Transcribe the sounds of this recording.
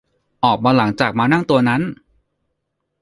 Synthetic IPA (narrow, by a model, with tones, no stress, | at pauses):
ʔɔː˨˩k̚maː˧la˩˦ŋt͡ɕaː˨˩k̚maː˧na˥˩ŋt̪u˧ɐna˦˥n